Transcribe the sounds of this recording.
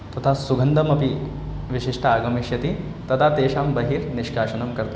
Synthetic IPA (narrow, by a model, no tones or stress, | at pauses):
t̪ɐt̪ʰaːsuɡʱɐnd̪ɐmɐpi | ʋiʃiʂʈʰɐaːɡɐmiʃjɐt̪i | t̪ɐt̪ʰaːt̪eːʃaːmbɐɦiːɾniʃkaːʃɐnɐmkɐɾt̪